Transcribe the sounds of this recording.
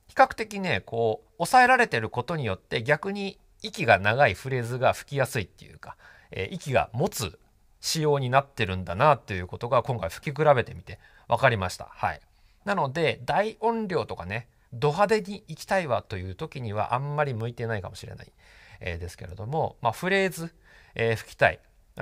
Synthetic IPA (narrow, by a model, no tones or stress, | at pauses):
çi̥kakɯ̟̥t̪e̞kʲine̞ko̞ː | osae̞ɾaɾe̞t̪e̞ɾɯ̟ko̞t̪o̞ɲ̟ijo̞t̪ːe̞ɡʲakɯ̟ɲ̟i | ikʲiɡanaɡaiɸɯ̟ɾe̞ːzɨɡaɸɯ̟̥kʲijasɨit̪ːejɯ̟̰ːkḁ | ḛːʔikʲiɡa̰mo̞t͡sɨ | ɕijo̞ːɲ̟inat̪ːe̞ɾɯ̟̃nd̪anat̪ːo̞jɯ̟ːko̞t̪o̞ɡakõ̞ŋkaiɸɯ̟̥kʲik̬ɯ̟ɾabe̞t̪e̞mʲit̪e̞ | βakaɾʲimaɕi̥t̪a̰ha̰ḭ | nano̞d̪e̞d̪aiõ̞nɾʲo̞ːt̪o̞kane̞ | d̪o̞ɦad̪e̞ɲ̟iːkʲi̥t̪aiβat̪o̞jɯ̟ːt̪o̞kʲiɲ̟iβa̰ʔãmːaɾʲimɯ̟it̪e̞naikamo̞̥ɕiɾe̞na̰ḭ | ḛːd̪e̞sɨ̥ke̞̰ɾe̞d̪o̞mo̞maɸɯ̟ɾe̞ːzɨ | eːɸɯ̟̥kʲi̥t̪aḭ